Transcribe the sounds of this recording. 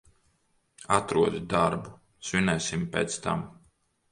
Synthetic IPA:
at̪ɾuɔd̪id̪aɾbu | svinɛːsimpʲḛːt̪st̪a̰m

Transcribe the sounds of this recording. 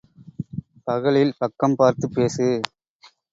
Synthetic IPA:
pɐɣɐɭɪlpɐkːɐmpaːɾt̪ɯpːeːsɯ

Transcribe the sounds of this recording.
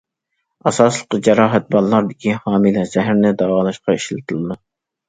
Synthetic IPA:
ɑsɑslˠəqːɨd͡ʒɛɾɑːɦɛt̪̚bɑlˠːɑɾd̪ɪkʲʰihɑːmilɛz̥ɛɦæɾnɪd̪ɑwɑːlˠɑʃqɑiʃlɨt̪ʰɨlˠɨd̪ɨ

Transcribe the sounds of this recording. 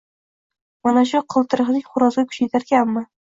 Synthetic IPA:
manaʃ̬ʊqʰɨlˠt̪ɨɾɨχnɪŋχʊɾɒzɡʲakʰʊ̥t͡ʃajt̪ʰaɾkʲanmɪ

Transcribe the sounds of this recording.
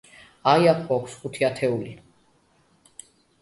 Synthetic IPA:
ajakʰbɔkʰsχut̪ʰiat̪ʰɛuli

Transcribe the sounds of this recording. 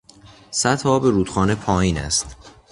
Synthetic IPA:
sæt̪ʰhɒːbeɾuːt̪xɒːne̞pʰɒːjiːnæ̰st̪

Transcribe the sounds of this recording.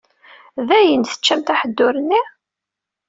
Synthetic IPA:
ðæjənθə̥t͡ʃːæmt̪aħəd̪ːʊɾənːi

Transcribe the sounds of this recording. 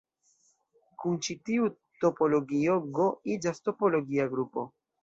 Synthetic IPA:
kunt͡ʃitiu | to̞po̞lo̞ɡioɡo̞id͡ʒasto̞po̞lo̞ɡiaɡɾupo̞

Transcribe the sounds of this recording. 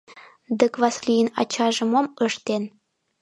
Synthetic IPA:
d̪əkβɑslijənɑ̰t͡ɕɑʒə̆moməʃt̪en

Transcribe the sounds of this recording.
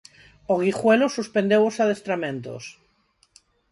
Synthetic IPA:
oɣixwelosuspend̪ewosað̞est̪ɾamẽnt̪o̰s

